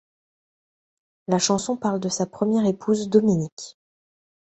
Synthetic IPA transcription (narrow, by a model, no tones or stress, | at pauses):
laʃɑ̃sɔ̃paʁld̪əsapχəmjɛʁepʰuzd̪ɔminik